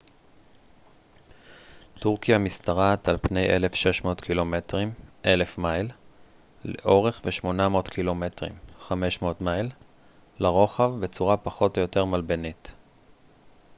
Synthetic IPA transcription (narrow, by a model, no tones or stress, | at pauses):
tuʁkijamistaʁatalpne̞jʔelefʃe̞ʃmo̞ːtkʰilo̞metʁimʔe̞le̞fmajl | lḛʔo̞ʁe̞χveʃmo̞namo̞ːtkʰilo̞metʁḭmχame̞ʃmo̞ːtmajl | laʁo̞χavbe̞t͡suʁapaχo̞tojote̞ʁmalbenit